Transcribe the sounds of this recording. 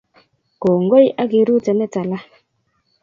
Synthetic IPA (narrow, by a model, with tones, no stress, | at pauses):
ko˨ŋɡo˦jʔa˦ɡi˦ɾu˦tɛ˨nɛ˦ta˨la˦